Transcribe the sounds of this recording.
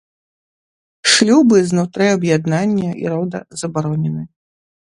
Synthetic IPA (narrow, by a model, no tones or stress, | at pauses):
ʂlʲubɨznut̪ɾɨɐbjad̪nanʲːɐḭɾɔd̪ɐ̰zɐbaɾɔnʲɛnɨ